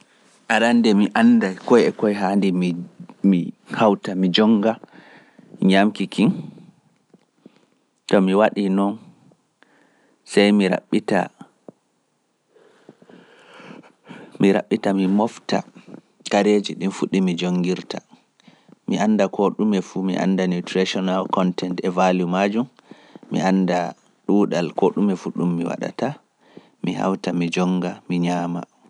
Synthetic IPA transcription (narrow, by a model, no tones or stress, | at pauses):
ʔaɾandɛmiʔandakɔjɛkɔjɦandimmihawtamid͡ʒɔŋɡa | ɲamkikʰin | tɔmiwaɗinɔn | sajmiɾa̰ɓita̰ | miɾa̰ɓːitamimɔfta̰ | kaɾed͡ʒiɗinfuɗimid͡ʒoŋɡiɾta | miʔanːdakʰoɗumɛfumiʔa̰ndanutɾiʃɔnalkɔntɛntɛvalumad͡ʒumː | ḭʔanda | ɗuːɗalkoɗumɛfuɗumːiwa̰ɗa̰ta | miha̰wtamid͡ʒɔŋɡamiɲaːma̰